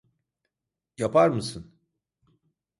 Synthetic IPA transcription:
japaɾmɯsɯn

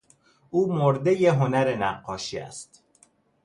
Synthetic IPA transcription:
ʔuːmoɾd̪ejeɦonæɾenæɢːɒːʃiːæ̰st̪

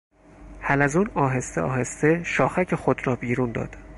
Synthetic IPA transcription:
hælæzuːnɒːɦe̞st̪eʔɒ̰ːhe̞st̪e̞ʃɒːxæcʰe̞xod̪rɒːbiːɾund̪ɒ̰ːd̪̥

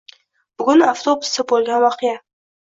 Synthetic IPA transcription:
b̥ɨɡʊnaft̪ʰobʊ̥sːabolɡʲanwɑqʰeja

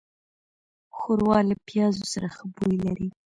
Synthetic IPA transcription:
xʊɾwɑlapjɑzosaɾaxəbujlaɾi

